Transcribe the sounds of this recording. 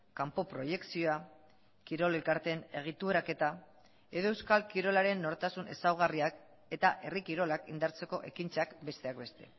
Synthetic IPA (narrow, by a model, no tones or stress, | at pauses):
kampo̞pɾo̞je̞ksioa | kiɾo̞le̞lkaɾt̪e̞ne̞ɣ̞it̪ueɾake̞t̪a | e̞ðo̞ewskalkiɾo̞laɾe̞nːo̞ɾt̪asunʔe̞̰sawɣ̞ariak | e̞t̪aʔe̞rikiɾo̞lakḭnd̪aɾt͡se̞ko̞ʔe̞kint͡sakbe̞st̪e̞akbe̞st̪e̞̰